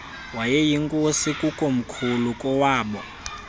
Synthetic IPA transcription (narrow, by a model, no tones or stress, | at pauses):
wajɛjiŋkʼosikʼukʼom̩kʰulukʼɔwaːɓɔ